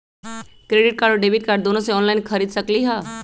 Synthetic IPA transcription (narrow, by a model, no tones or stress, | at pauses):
kɾeːɖɪʈ̚kaːɾɖoɖeːbɪʈ̚kaːɾɖ̚d̪oːnõseɔːnlaːɪnkʰɐɾiːd̪sɐkliɦɛː